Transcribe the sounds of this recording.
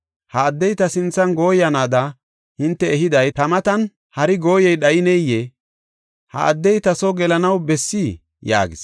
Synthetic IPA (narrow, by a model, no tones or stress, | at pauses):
hɐːd̪ːɛjt̪ɐsɪnt͡sːɐnɡo̞ːjɐnaːd̪ɐ | hɪnt̪ːɛːɦɪd̪ɐjt̪ɐmɐt̪ɐn | hɐɾɪɡo̞ːjɛjɗɐjɪnɛjɛ | hɐ̰ɐd̪ːɛjt̪ɐsɔɡɛlɐnɐwbɛsːi | ja̰ːɡɪs